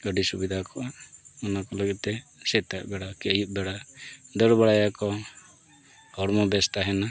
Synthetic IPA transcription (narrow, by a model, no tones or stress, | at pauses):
ɡəɖisubid̪ʱakɔʔaɔnakɔləɡit̪̚t̪ɛsɛt̪aʔbɛɽakiəjup̚ˀbɛɽaɖəɾbaɽajakɔ | hɔɾmɔbɛst̪aɦɛna